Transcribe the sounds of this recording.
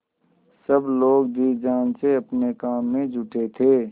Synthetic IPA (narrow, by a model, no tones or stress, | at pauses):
sɐbloːɡd̪iːd͡ʒaːnseɐpnekaːmːẽd͡ʒʱʊʈet̪ʰeː